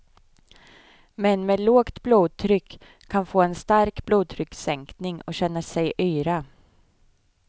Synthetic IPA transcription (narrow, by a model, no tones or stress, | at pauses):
mɛnmeːd̪loːkt̪bluːd̪̚t̪ʰɾʏkʰː | anfoːɛnst̪aɾkbluːd̪̚t̪ʰɾʏksɛŋknɪŋɔɕɛnːasɛjʔœːɾa